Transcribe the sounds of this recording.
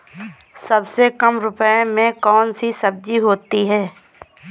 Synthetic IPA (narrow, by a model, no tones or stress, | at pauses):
sɐbsekɐmɾʊpəemẽkɔːnsisɐb̚d͡ʒiɦoːt̪iɦɛː